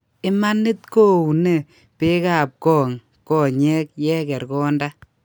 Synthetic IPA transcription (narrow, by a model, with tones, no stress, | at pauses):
ɪ˦ma˦nɪ˦t̚ko˦u˨ne˦˨ | pe˦ka˦˨p̚kɔː˦˨ŋ | kɔː˦ɲɛ˦k̚jɛ˦kɛ˨ɾkɔː˦nda˦